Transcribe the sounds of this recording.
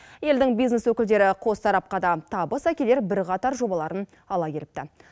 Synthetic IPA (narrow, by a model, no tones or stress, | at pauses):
je̞ld̪ɪŋbijzne̞swɵkʲɪld̪e̞ɾɪqʰo̞st̪ɑɾɑp̚qɑd̪ɑt̪ʰɑbəsækʲe̞le̞ɾbɪɾqɑt̪ɑɾʒo̞bɑlˠɑɾən | ɑlˠɑkʲe̞ɾɪp̚t̪ɪ